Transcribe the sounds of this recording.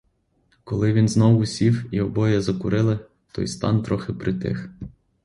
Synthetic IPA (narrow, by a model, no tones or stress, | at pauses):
kɔlˠɪʋʲinznɔwʊsʲiwiɔbɔjɛzɐkʊɾɪlˠɪ | t̪ɔ̰jst̪ɑ̰nt̪ɾɔxɪpɾɪt̪ɪ̰x